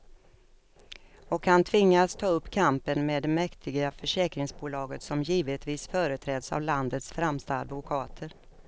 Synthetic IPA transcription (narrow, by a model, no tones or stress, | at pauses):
ɔkhant̪ʰvɪŋːast̪ʰɑːɵpːkʰampənmeːd̪ːɛmɛkt̪ʰɪɡafœʂɛːkɾɪŋsbuːlɑːɡət̪sɔmjiːvət̪viːsfœːɾət̪ʰɾɛːd̪sa̰vland̪ət̪sfɾɛmst̪a̰ːd̪vʊkʰɑːt̪ʰəɾ